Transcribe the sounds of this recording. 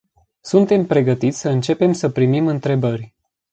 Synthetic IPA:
sunt̪e̞mpɾe̞ɡət̪it̪sʲsəɨnt͡ʃe̞pe̞msəpɾimimɨnt̪ɾe̞bərʲ

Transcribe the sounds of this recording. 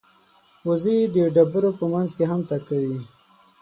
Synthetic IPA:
uzid̪əɖabəɾopəmanzkeɦamt̪akawi

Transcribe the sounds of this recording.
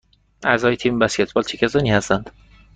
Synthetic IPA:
ʔæɾzɒːjet̪ʰiːmbæskʲet̪̚ʰbɒːlt͡ʃʰekcʰæsɒːniːhæst̪ænd̪̥

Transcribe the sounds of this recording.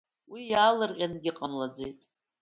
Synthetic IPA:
wijaːlɨrqʲʼanɡʲɪqʼamlad͡zejtʼ

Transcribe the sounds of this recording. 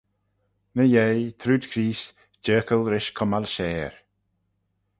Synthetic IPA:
nəjejt̪ʰɾuːd̪kʰɾiːs | d͡ʒɜːkəlɾɪʃkʰʊmalʃɛːɹ

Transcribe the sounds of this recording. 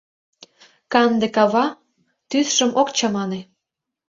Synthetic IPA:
kɑnd̪ekɑβɑ | t̪yθʃə̆mʔokt͡ɕɑmɑne

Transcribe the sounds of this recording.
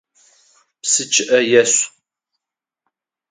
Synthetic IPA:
psɨt͡ʃʰʼɪʔɐjɛɕʷʼ

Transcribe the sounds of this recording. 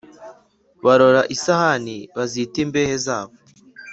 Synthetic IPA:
βaɾo̞ɾaʔisahaniβazitimbeːhezaːβo

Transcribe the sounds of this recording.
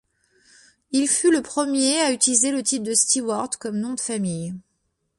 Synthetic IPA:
ilfyləpχəmjeayt̪ilizelət̪ip̚d̪əst̪iwaʁd̪kɔmnɔ̃d̪əfamij

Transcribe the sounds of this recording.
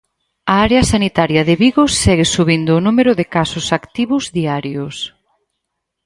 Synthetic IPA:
ɐaɾeɐsanit̪aɾjɐðɪβiɣʊsːɛɣɪsuβind̪ʊːnumeɾʊðɪkasʊsakt̪iβʊzðiaɾjʊs

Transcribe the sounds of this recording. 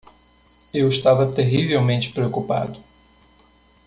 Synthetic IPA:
ewɪʃt̪avɐt̪eʁivewmẽnt͡ʃɪ̥pɾeokupa̰d̪ʊ

